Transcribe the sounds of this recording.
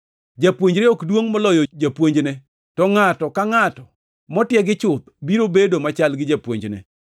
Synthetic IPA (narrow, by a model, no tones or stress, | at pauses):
d͡ʒapwoɲd͡ʒɾeɔkdwoŋmɔlɔjɔd͡ʒapwoɲd͡ʒne | tɔŋatɔkaŋatɔ | mɔtjɛɡɪt͡ʃʊt̪̚biɾobedomat͡ʃalɡɪd͡ʒapwo̰ɲd͡ʒnḛ